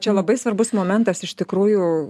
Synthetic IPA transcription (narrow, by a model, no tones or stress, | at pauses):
t͡ʃʲɛlˠɐbɐɪsʋɐrbʊsmoːmʲɛnt̪ɐsɪʃt̪ʲɪkɾuːjʊ